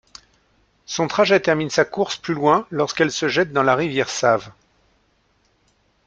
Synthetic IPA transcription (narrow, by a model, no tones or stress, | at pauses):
sɔ̃t̪χaʒɛt̪ɛʁminsakuʁsplylwɛ̃lɔʁskɛlsəʒɛt̪̚d̪ɑ̃laʁivjɛʁsav